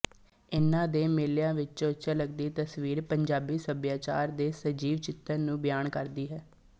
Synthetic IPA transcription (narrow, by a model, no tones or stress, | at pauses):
ɪnãːd̪eːmeːljãːʋɪt͡ʃʊt͡ʃələɡd̪iːt̪əsʋiːɾpəɲd͡ʒaːbiːsəbjaːt͡ʃa̰ːɾd̪eːsəd͡ʒiːʋt͡ʃɪt̪ːəɾnũːbjaːnkəɾd̪iːɦɛː